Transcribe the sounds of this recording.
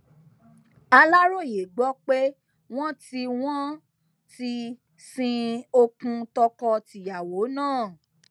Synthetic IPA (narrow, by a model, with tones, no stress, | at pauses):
a˧la˦ɾo˦˨je˨ɡ͡bɔ˨˦k͡pe˦ | w̃ɔ̃˦ti˧w̃ɔ̃˦ | ti˧ | sĩ˧o˧kũ˧tɔ˧kɔ˧ti˨ja˨wo˨˦nãː˦˨